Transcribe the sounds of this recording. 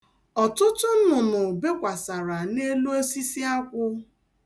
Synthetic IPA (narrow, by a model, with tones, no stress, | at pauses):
ɔ˨tʊ˦tʊ˦n̩˦nʊ˨nʊ˨be˦kʷa˨sa˨ɾa˨ne˦lo˦e˦si˦si˦a˦kʷʊ˦